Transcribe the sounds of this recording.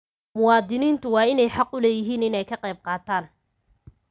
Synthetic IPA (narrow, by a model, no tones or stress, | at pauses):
mʊwɑːd̪ɪniːnt̪ʰʊwɑːɪnɛjħɑqʊlɛːjɪɦiːnɪnɛjkʰɐqɛjb̚qɑːt̪ʰaːn